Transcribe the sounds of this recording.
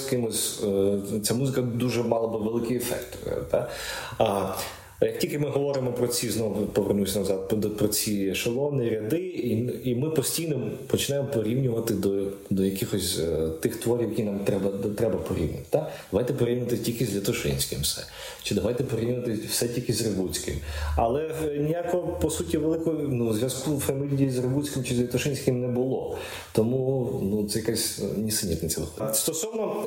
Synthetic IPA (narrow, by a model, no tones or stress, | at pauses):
kɪmɔsʲ | t͡sʲamuzɪkɐd̪uʒɛmɑlˠɐbɪʋelˠɪkɪjefɛ̰kt̪t̪a | jɐk̚tʲilʲkɪmɪɦɔʋɔɾɪmɔpɾɔt͡sʲiznɔʋʊpɔʋernusʲɐnɐwzɑd̪̚pɾɔt͡sʲiʃɐlˠɔnɪɾʲɐd̪ɪiimɪpɔsʲtʲijnɔpɔt͡ʃɪnajɪmɔpɔɾʲiwnʲʊʋɐt̪ɪd̪ɔ | d̪ɔjɐkɪxɔsʲt̪ɪxt̪ʋɔɾʲiwjɐkʲinamt̪ɾɛbɐt̪ɾɛbɐpɔɾʲḭwnʲɐt̪ɪ̥t̪ad̪ɐʋajt̪ɛpɔɾʲiwnʲɪʋɐt̪ɪtʲilʲkɪzʲlʲɐt̪ʊʃɪ̰nʲsʲkɪ̰msɛ̰ | t͡ʃɪd̪ɐʋajt̪ɛpɔɾʲiwnʲʊʋɐt̪ɪwsɛtʲilʲkɪzʲrɪbut͡sʲkɪ̰mɐlˠɛnʲijakɔɔpɔsutʲiʋelˠɪkɔnuzʲʋʲjɐskufemɪlʲijizrɪbut͡sʲkʲɪmt͡ʃɪzʲlʲɐt̪ʊʃɪnʲsʲkɪmnɛbʊlˠɔ | t̪ɔmunut̪sɛjɐkasʲnʲisɪnʲit̪nʲɐt̪ʲsʲɛlˠɪ̰xɔd̪st̪ɔsɔwnɔ